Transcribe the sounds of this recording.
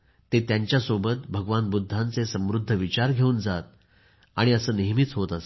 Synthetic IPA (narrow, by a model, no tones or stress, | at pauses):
t̪et̪jaɲt͡ɕjasobət̪̚bʱəɡʋanbud̪ʱːant͡sesə̃mɾud̪ʱːəʋit͡ɕaɾɡʱeuːnd͡zat̪̚ | a̰ɽ̃iəsəːneɦmit͡sɦot̪əs